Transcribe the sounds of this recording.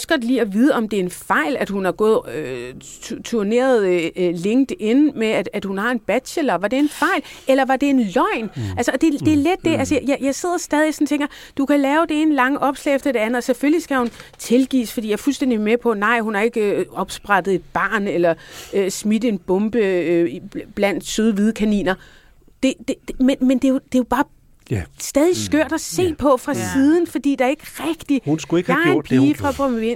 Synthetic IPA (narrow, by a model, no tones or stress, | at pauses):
sɡ̥ɒd̥lḭːɒʋiːð̞ˠəɒ̽md̥e̝ɐe̝nfɑ̈ɪ̰læd̥hunɑ̈ɡ̥ɔ̰ːð̞̩ˠøut͡sʰuɐne̝̰ːɐð̩ˠle̝ŋ̰d̥e̝nmeæ̥æd̥hunhɑ̈e̝nb̥æd̥ɕelɐʋɑ̈d̥e̝enfɑ̈ɪlelɐʋɑ̈d̥e̝e̝nlɒɪ̰nælsəɒ̽d̥e̝d̥e̝ɐled̥̚ːe̝ʔælsəjɑɪjɑ̈ɪse̝ð̞̰ˠɐsd̥ɛːð̞ˠisɒ̽n̩t͡sʰeŋ̰ɡ̥ɐ | d̥ukʰælɛːʊd̥ee̝ːnəlɑ̈ŋəʔɒ̽b̥slɛ̰ːefd̥ɐd̥e̝ænð̩ˠɒ̽seføllisɡ̥æhunt͡sʰe̝lɡ̥ḭːsfɒdḭjɑɐfulsd̥en̰d̥imepʰɒ̽nɑ̈ɪ̰ɦunɑ̈e̝ɡ̥əɒ̽b̥sb̥ʁɑdðˠe̝d̥̚b̥ɑ̈ːnelɐsmidəe̝nb̥ɔ̽mb̥ə | b̥læn̰d̥søð̞ˠʋið̞ˠkʰænḭːnɐ | d̥e̝d̥e̥menmend̥e̝jod̥e̝job̥ɑ̈ː | sd̥ɛːð̞ˠisɡ̥øɐ̰d̥æse̝̰ːpʰɒ̽fʁɑ̈siːð̞ˠn̩fɒ̽d̥ḭːd̥ɑæɐe̝ɡ̥əʁɛɡ̥d̥ihunsɡ̥uɡbʰiːfʁɑ̈b̥ʁɔmen̰